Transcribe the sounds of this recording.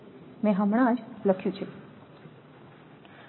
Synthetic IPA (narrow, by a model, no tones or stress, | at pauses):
mẽɦəmɽ̃ãd͡ʒləkʰjũt͡ʃʰe